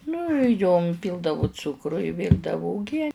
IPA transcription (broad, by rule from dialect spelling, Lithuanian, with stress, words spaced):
nʊ joːm ˈpʲiːlˠdɐʋʊ ˈt͡sʊkrʊ ɪ ˈʋʲiːrdɐʋʊ ʊˈɡʲiɛ